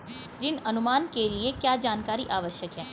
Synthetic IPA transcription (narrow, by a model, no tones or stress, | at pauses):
ɾɪnɐnumaːnkeliekjaːd͡ʒaːnkaːɾiʔaːʋəʃjəkɦɛː